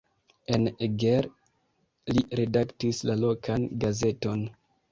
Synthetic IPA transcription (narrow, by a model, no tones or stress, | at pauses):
e̞neɡeɾ | liɾe̞daktislalo̞kʰanɡaze̞to̞n